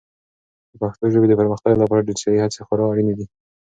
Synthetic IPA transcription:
d̪əpaxt̪oʒəbed̪əpəɾməxt̪aɡlapɑɾaɖelsɑihat͡sexoɾawaɽinɪd̪i

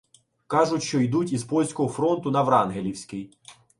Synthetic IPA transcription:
kɑʒʊtʲʃt͡ʃɔjd̪utʲizpɔlʲsʲkɔɦɔfɾɔnt̪ʊnɐʋɾɑnɦelʲiwsʲkɪj

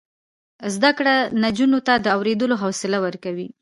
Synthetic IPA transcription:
zd̪akɽanad͡ʒunot̪ad̪əawɾed̪əloɦawsɪlawəɾkawi

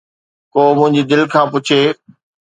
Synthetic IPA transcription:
koːmʊ̃ɦɪ̃ɲ̆d͡ʑid̪ɪlkʰãːpʊt͡ɕʰeː

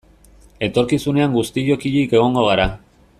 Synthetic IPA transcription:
e̞t̪o̞ɾkisune̞aŋɡust̪iʎo̞kiʎike̞ɣ̞o̞ŋɡo̞ɣ̞aɾa

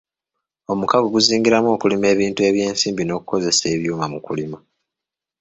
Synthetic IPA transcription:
o̞mukaɡoɡuziːŋɡiɾamo̞ːkulime̞ːβiːntue̞βje̞ːnsiːmbino̞ːku̥ko̞ze̞se̞ːβjuːmamukulima

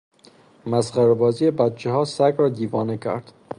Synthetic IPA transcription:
mæsχæɾebɒːzijebæt̪̚t͡ʃʰeɦɒːsæɡɾɒːd̪iːvɒːnecʰæ̰ɾd̪̥

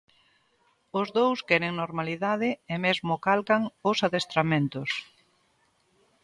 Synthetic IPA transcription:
ʊzðowskɛɾeŋnoɾmaliðaðɪemezmʊkalkaŋʊsaðest̪ɾamẽnt̪ʊs

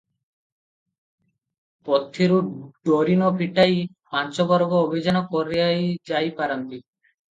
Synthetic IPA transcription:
pɔt̪ʰːiɾuɖɔɾinɔpiʈaj | pant͡ʃɔbɔɾɡɔːbʱid͡ʒanɔkɔɾijajd͡ʒajpaɾɔnt̪i

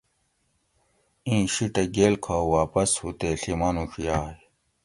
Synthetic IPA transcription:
ĩːɕiʈɐɡeːlkʰawaːpɐshut̪eɬimɐnuxijaːj

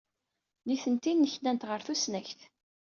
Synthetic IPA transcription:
niθənt̪inːəçnænt̪ʁəɾθusnæçθ

